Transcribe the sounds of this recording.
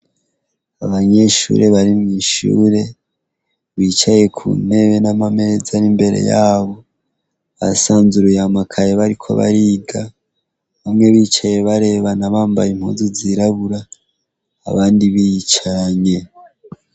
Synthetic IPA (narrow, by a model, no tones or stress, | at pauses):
aβaɲe̞ʃṵːɾe̞βaɾimŋiːʃṵːɾe̞ | βit͡ʃaje̞kʰṵne̞βenamame̞zaɾimbe̞ɾḛjaːβo̞ | βa̰saːnzuɾujamakʰajeβaɾikʰo̞̰βa̰ɾiɡa | βamŋe̞βiːt͡ʃaje̞βaɾe̞βanaβaːmba̰jimhṵːzuziɾaβuɾa̰ː | βaːndiβit͡ʃaɲe̞